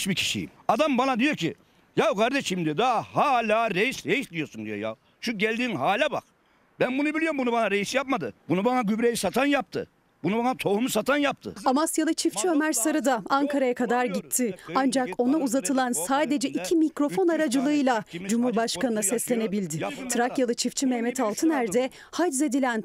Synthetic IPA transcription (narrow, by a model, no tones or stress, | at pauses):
t͡ʃbicʰi̥ʃḭjḭmad̪ambanad̪ijo̞cʰḭ | jakʰaɾd̪eʃimd̪ijod̪ahaːlʲaːɾejisɾejislʲijo̞sund̪ijo̞̰ja̰ | ʃuɟɛlʲd̪iːnɦaːlʲaba̰k | bænbunubilʲijombunubanaɾejisijap̚mad̪ɯbunubanaɡybɾejisat̪ʰanjap̚t̪ʰɯ̰ | bunubanat̪ʰo̞humusat̪ʰanjap̚t̪ʰɯ̰amasjalˠɯt͡ʃʰift͡ʃʰiø̞mæɾsaɾɯd̪aaŋkʰaɾajakʰad̪aɾɟit̪ʰːɪand͡ʒako̞nauzat̪ʰɯlˠansaːd̪e̞d͡ʒɛʔicʰimicɾo̞fo̞naɾad͡ʒɯlˠɯɯjlˠad͡ʒumhuɾbaʃkanɯd̪ˠasɛslʲe̞ne̞bilʲd̪ɪt̪ʰɯɾakjalˠɯt͡ʃʰift͡ʃʰimɛmɛt̪ʰalˠt̪ʰɯnæɾd̪ɛ | had͡ʒze̞d̪ilʲæn